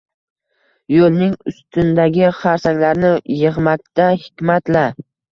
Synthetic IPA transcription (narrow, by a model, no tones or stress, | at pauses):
jolnɪŋʊst̪ɪnd̪aɡʲɪχaɾsaŋlaɾnɪjɨʁmakʲt̪ahɪkʲmat̪la